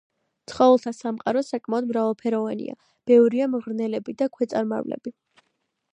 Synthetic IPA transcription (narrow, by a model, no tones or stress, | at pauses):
t̪sʰχɔɛlˠt̪ʰasamqʼaɾɔsakʼmaɔd̪mɾavalˠpʰɛɾɔvanḭa̰ | b̥ɛvɾiamʁɾnɛlɛbid̪akʰwɛt̪sʼaɾma̰vlɛ̰b̥i